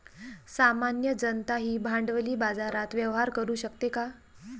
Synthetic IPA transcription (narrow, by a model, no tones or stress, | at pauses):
samanjəd͡ʑənt̪aɦiːbʱãɳɖʋliːbad͡zaɾat̪ʋjəʋɦaɾkəɾuːɕəkt̪eka